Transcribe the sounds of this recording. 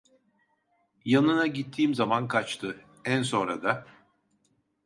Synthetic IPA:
janɯnaɟit̪ʰːiːmzamankʰat͡ʃt̪ʰɯ | ænso̞nɾa̰d̪a

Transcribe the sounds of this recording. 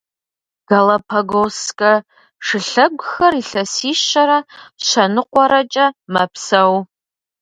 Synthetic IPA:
ɡ̥ɐlɐpʰɐɡoskʼɐ | ʂɨɬɐɡʷxɐriɬɐsiːʃɐɾɐɕʷɐnɨqʷɔɾɐt͡ʃʼɐmɐpʰsɐw

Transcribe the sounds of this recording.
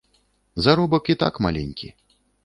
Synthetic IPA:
zaɾɔbɐkit̪a̰kma̰lʲɛnʲkʲḭ

